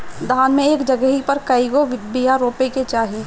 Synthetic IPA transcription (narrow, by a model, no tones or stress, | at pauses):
d̪ʱaːnmẽeːkd͡ʒəɡəɦipəɾkəɪɡobijaɾoːpeket͡ʃaːɦi